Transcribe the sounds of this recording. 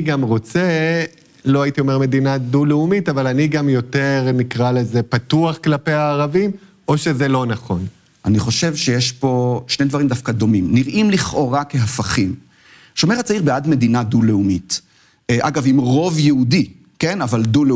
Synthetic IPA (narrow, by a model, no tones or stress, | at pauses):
ɡamʁo̞t͡se | lo̞ait̪io̞me̞ʁme̞d̪inad̪uleumitavalaniɡamjo̞teʁnikʁalezepat̪uaχklapeaːʁavim | ʔoʃe̞zelo̞naχo̞n | ʔaniχo̞ʃe̞vʃejeʃpo̞ʃnejd̪vaɐʁimd̪afkad̪o̞mimniʁʔimliχʔo̞ʁakeɦafaχim | ʃo̞meʁat͡saiʁbeadme̞dinaduleumit | ʔa̰ɡavimʁo̞vjeudi | ke̞navaldule